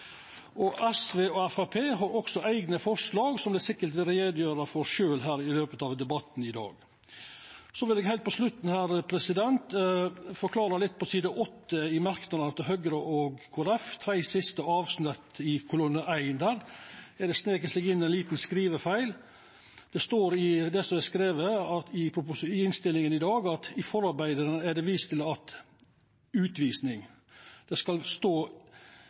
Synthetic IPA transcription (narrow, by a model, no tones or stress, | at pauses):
ɔʔæsʋeːɔæfɑpʰeːɦɑɾɔksɔʔæɪɡnəfɔʂlɑːɡsɔmblɪsɪkːət̪ɪɾeːd̪jøːɾəfɔɾʃøːlɦæːɾɪløːpət̪ɑʋd̪ɛbɑt̪nɪd̪ɑ̰ːɡ | sɔʋɪlɛːɡhæɪt̪pʰɔslʉt̪n̩hæːɾpʰɾɛsɪd̪ɛnt̪fɔɾkʰlɑːɾəlɪt̪̚ːpʰɔsiːd̪əʔɔt̪ːəɪmɑɾknɑd̪ənət̪ɪɦœɡɾəʔɔɡkʰuːæɾɛft̪ʰɾæɪsɪst̪əɑːʋsnœt̪ːɪkʰʊlʊnːəʔæɪənd̪æːɾæɖɛsneːkəsɛɡɪnːæɛnliːt̪n̩skɾiːʋəfæɪl | d̪̥ɛst̪oːɾɪd̪ɛsɔɛskɾeːʋəɑɪpʰɾʊpʊsɪnst̪ɪlɪŋənɪd̪ɑːɡɑt̪ɪfɔɾɑɾbæɪd̪əɾənæɖɛʋiːst̪ʰɪlɑt̪ | ʉːt̪ʋiːsnɪŋ | d̪̥ɛskɑlst̪oː